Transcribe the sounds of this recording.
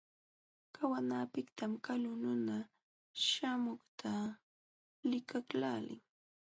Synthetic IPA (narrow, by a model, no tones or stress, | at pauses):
kawanaːpɪkt̪amkalʊnʊna | ʃamʊχt̪ʰa | lɪkaklaːlɪ̰ŋ